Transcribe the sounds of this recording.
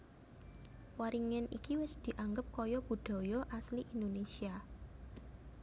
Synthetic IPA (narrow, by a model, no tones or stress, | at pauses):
waɾiŋɪnʔikiwɪsd̪̥i̤ʔaŋɡəp̚kɔjɔb̥ud̪̥ɔ̤jɔʔasliʔind̪onesia